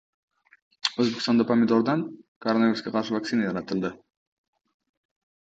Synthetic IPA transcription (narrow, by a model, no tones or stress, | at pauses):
ɵzbekʲst̪ɑnd̪ɑpamʲɪd̪oɾd̪ɑnkʰoɾonaviɾuskʲeqʰɑɾʃɨvak̪̚sinajɑɾɑt̪əlˠd̪ə